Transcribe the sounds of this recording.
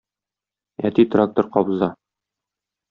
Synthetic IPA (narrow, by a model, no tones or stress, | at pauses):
æ̰t̪it̪rak̚t̪oɾqɒbzɑ